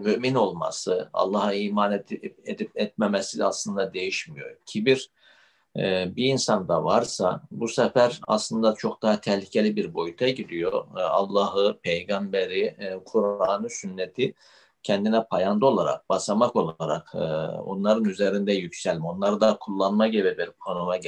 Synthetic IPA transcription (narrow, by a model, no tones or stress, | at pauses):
myʔmino̞lˠma̰sɯa̰lˠːaɦaiːmaned̪ipɛt̪̚memesilɛaslˠɯnd̪ad̪e̞jiʃmijo̞̰cʰibiɾ | biːnsand̪avaɾsa̰busɛfæɾa̰slˠɯnd̪at͡ʃʰo̞k̚d̪aɦat̪ʰɛhlʲicʰe̞lʲibiɾbo̞jut̪ʰaɟid̪ijo̞a̰lˠːahɯpʰejɡambeɾikʰuɾaːnɯsynːet̪ʰi | cʰɛnd̪inɛpʰajand̪ɯo̞lˠaɾa̰k̚basamako̞lˠaɾa̰kːo̰nlˠaɾɯnyzeɾind̪ɛjycsælʲmio̞nlˠaɾɯd̪akʰulˠːanmaɟebɛbɛonumaɟ